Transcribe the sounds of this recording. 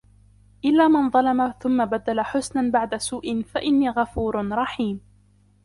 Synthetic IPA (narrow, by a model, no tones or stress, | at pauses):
ʔɪlːaːmanðˤɑlɑmaθʊmːabad̪ːalaħʊsnanbaʕd̪asuːʔɪnfaʔɪnːiːɣafuːɾɾˤɑħiːm